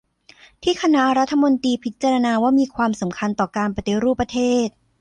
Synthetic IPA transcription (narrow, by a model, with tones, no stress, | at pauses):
t̪ʰiː˥˩kʰa˧na˦˥ɾa˦˥t̪ʰːa˧mo˧nt̪iː˧pʰi˦˥t̪̚t͡ɕːa˧ɾa˧naː˧waː˥˩miː˧kʰwaː˧msa˩˦mkʰa˧nt̪ɔː˨˩kaː˧npa˧t̪e˧ɾuː˥˩pːɾa˧t̪ʰeː˥˩t̪̚